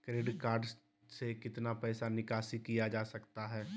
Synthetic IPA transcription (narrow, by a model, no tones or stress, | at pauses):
kɾeːɖkaːɾɖ | sekɪt̪napɛːsanɪkaːsikijad͡ʒaːsɐkt̪aɦɛː